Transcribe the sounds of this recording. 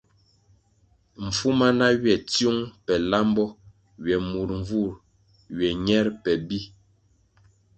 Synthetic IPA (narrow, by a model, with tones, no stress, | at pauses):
m̩˨fu˦ma˦na˦ɥjɛ˨tju˦ŋpɛ˨la˦mbɔ˦ | ɥjɛ˨mu˨ɾɱ̩˨vu˦˨ɾ | ɥɛ˨ɲɛ˦ɾpɛ˨bi˦